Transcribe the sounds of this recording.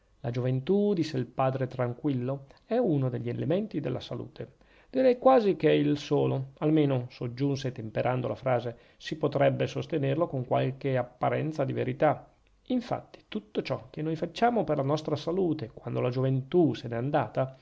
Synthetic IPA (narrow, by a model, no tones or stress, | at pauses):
lad͡ʒovent̪ud̪isːeilpaːd̪ɾet̪ɾaŋkwilːoɛunod̪eʎːielement̪id̪ḛlːasalṵːt̪ʰe | d̪iɾɛjkwaːzik̟eilsoːloalmeːnosod͡ʒːuns̬et̪empeɾʔand̪olafɾaːze | sipot̪ɾɛbːesost̪enerlokoŋkwa̰lk̟eapːaɾɛ̰nt̪sad̪ivḛɾit̪a | iɱfa̰t̪ːi̥t̪ut̪ːot͡ʃɔk̟ːenːojfat͡ʃːaːmoperlanɔst̪ɾasaluːt̪ekwand̪olad͡ʒovent̪usenɛand̪aːt̪a